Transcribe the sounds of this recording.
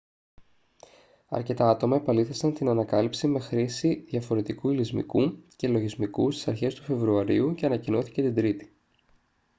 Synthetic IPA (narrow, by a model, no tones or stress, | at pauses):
ɐ̰ɾce̞t̪ɐɐt̪o̞mɐe̞pɐliθesɐnt̪inɐnɐkɐlipsime̞xɾisiðjɐfo̞ɾe̞t̪ikuilizmḭkuce̞lo̞ʝizmikust̪i̥sɐɾçe̞st̪ufe̞vɾuɐɾiuce̞ɐnɐcino̞θi̥ce̞t̪ind̪ɾit̪i̥